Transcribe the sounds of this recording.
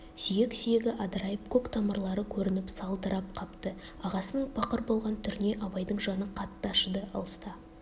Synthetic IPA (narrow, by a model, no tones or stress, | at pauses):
sijeksijeɡʲɪʔɑd̪ɾɑjəpkʰokt̪ʰɑməɾlˠɑɾəkʲʰɵɾɪnɪpsɑlˠd̪əɾɑp̚qʰɑpt̪ə | ɑʁɑsənəɴbɑqəɾbo̞lˠʁɑnt̪ʰʏɾne̞ʔɑbɑjd̪əɴʒɑnəqʰɑt̪ːɑʃəd̪əʔɑ̰lˠəst̪ɑ